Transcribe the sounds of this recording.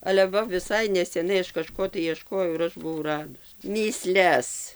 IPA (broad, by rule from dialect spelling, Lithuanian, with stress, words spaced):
ɐlʲɛ ˈʋɐ ʋʲɪˈsɐɪ nʲɛsʲɛˈnɐɪ ˈɐʃ kɐˈʃkoː tɐɪ iɛˈʃkoːjɛʊ ɪr ˈɐʃ bʊˈʋɐʊ ˈrɑːdʊs mʲiːˈsʲlʲɛs